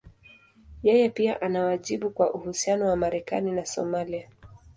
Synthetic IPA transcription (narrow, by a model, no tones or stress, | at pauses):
jɛjɛpia̰ʔanawaʄiɓukwaʔuhusianɔwamaɾɛka̰ninasɔ̰malia